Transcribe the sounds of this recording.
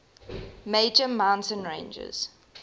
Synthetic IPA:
meɪd͡ʒəmãʊ̃ntə̃nɹẽɪ̃nd͡ʒə̰z̥

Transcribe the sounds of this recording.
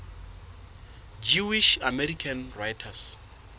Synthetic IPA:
d͡ʒuwiʃamɛrikʰanrajtʰas

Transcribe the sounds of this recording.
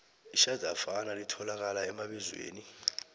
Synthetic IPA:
iʃazʱafanalitʰɔlak̬alaɛmaɓɛzwḛːni

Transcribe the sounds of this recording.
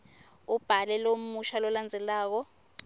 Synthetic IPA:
ub̥ʱalɛlomuʃalɔland͡zʱɛlaːk̬ɔ

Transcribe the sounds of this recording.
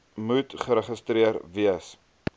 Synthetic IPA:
mutχəɾəχəstɾiəɾviəs

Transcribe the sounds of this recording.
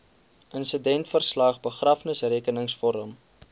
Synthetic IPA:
ʔənsədɛntfərslɐχbəχrɐfnəsreːkənəŋsfɔɾəm

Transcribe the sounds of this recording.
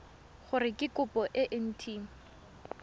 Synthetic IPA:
χʊrɪkʼɪkʊpɔʔɪʔɪn̩tʰiːŋ̩

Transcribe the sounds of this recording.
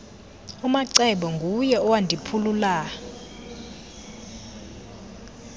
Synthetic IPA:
umaǀɛɓɔŋɡʱujɛɔwandʱipʰulula

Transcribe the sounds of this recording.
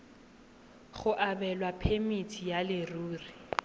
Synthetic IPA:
ɣʊʔabɛlwapʰemitʰijalɪruːri

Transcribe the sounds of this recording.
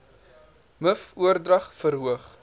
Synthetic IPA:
məfuərdrɐχfəɾɦuəχ

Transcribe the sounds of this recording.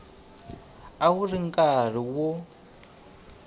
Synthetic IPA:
awuriŋkʼar̤iwɔ

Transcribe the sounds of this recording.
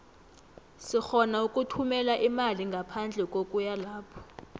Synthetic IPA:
sixɔnaukʼutʰumɛlaʔimaliŋɡʱapʰand͡ɮʱɛkʼokʼujalaːpʰɔ̥

